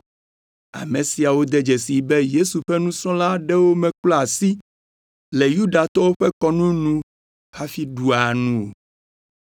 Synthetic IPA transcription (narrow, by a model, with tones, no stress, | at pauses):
a̰˨mɛ̃˨si˨a˨wo˦d̪ɛ˦d͡ʒɛ˨si˨bɛ˦je˦su˨ɸɛ˦nũ˦sɾɔ̃˦la˦ɖɛ˦wo˦mɛ̃˨klɔ˦a˨si˦ | lɛ˨ju˦ɖa˨t̪ɔ˦wo˦ɸɛ˦kɔ˦nũ˦nũ˦ | xa˦fi˦ɖu˨a˨nũ˦o˨